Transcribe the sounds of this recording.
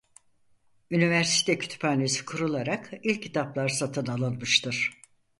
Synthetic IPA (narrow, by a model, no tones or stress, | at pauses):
ynivæɾsi̥t̪ʰɛcʰy̥t̪ʰy̥pʰaːnesi̥kʰuɾulˠaɾakilʲcʰcʰːit̪ʰaplˠaɾsat̪ʰɯnalˠɯnmɯʃt̪ʰɯɾ̥